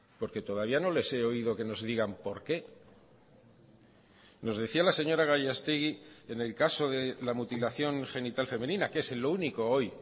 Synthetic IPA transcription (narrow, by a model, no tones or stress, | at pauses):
po̞ɾke̞t̪o̞ðaβ̞iano̞le̞se̞o̞ið̞o̞ke̞no̞zðiɣampo̞ɾke̞ | no̞zðeθialase̞ɲo̞ɾaɣ̞aʝast̪iɣie̞ne̞lkaso̞ðe̞lamut̪ilaθjo̞ŋxe̞nit̪alfe̞mẽ̞nĩnakeeselːouniko̞o̞j